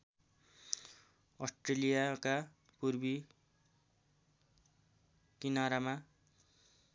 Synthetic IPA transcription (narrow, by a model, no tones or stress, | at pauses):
ʌsʈrelijaka | purbi | kinaɾama